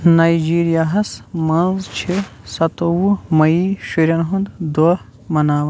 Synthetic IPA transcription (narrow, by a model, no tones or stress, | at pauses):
najd͡ʒiːɾijaːɦɐsmɐnzt͡ʃʰisɐt̪owumɐiʃiɾʲɐnɦũnd̪d̪o | mɐnaːʋɐ